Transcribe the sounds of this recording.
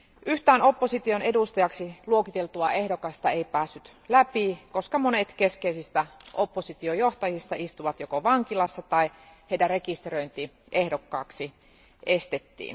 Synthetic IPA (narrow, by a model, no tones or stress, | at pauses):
ʔyht̪æːno̞pːosit̪ionedust̪ɑjɑksiluokit̪elt̪uɑehdokɑst̪ɑeipæːsːyt̪ | læpikoskɑmonet̪keskeisist̪æʔopːosit̪iojoht̪ɑjist̪ɑist̪uʋɑt̪jokoʋɑŋkilɑsːɑt̪ɑi | heitærekist̪erøint̪i | ʔehdokːɑ̰ːksi | ʔest̪et̪ːḭːn